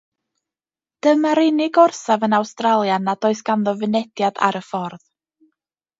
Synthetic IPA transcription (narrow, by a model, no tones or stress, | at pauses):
d̥əmaɾɪnɪɡɔrsavənawstralˠjanadoːɨsɡ̥anðɔvɨnɛdjad̥a̰ɾəfɔrð